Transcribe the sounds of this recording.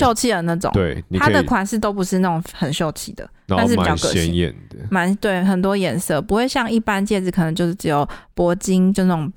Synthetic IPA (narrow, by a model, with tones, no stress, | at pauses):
jo˥˧ʊt͡ɕʰi˥˩d̪ə˩na˥˩ʈ͡ʂo̰˨˦t̪e˥˨˩ɪni˨a˦d̪ə˨kʰwa˨˦nʂɻ̩˥˩t̪o˥ʊp̬u˧˥ʂɻ̩˥˧a˥˩ʊ˨˩ŋxə˨˩nɕjo˥˧ʊt͡ɕʰi˥˩d̪ə̰˨t̪ʂ̬̩˥˩i˨˩˥kə˧˥ɛ˧jɛ̰˨˩nd̪ə˩ma˧˦nt̪we˥˩ɪxə˨˩nt̪̬wɔ˥jɛ˨˥nsɤ˥˨pu˧˥xwe˥˧ɪɕjɑ˥˧ŋi˥˩pa˦nt͡ɕjɛ˥˩d͡z̩˨˩kʰə˨˩nə˧˦t͡ɕjʂɻ̩˥˩ʈ͡ʂɻ̩˧˦jo˨˩ʊpwɔ˧˥t͡ɕi˥ŋʈ͡ʂɤ˥˧ʈ͡ʂo˨˩ŋ